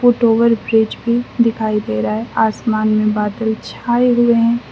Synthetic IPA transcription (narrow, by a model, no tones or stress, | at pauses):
fʊʈoːʋəɾbɾɪd͡ʒbʱid̪ɪkʰaːid̪eɾaeaːsmaːnmẽbaːt̪əlt͡ʃʰaːeɦʊeɦɛ̃ː